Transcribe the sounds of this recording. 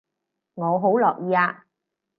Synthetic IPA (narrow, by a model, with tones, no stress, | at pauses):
ŋɔː˨˧ɦo˨˥wlɔː˨k̚jiː˨˧aː˧